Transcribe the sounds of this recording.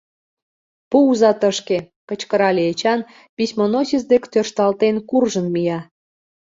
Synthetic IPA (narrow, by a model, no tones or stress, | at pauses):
puuzɑt̪əʃke | kət͡ɕkə̆ɾɑlʲeet͡ɕɑn | pisʲmonosʲiz̬d̪ekt̪ørʃt̪ɑlt̪enkurʒənmijɑ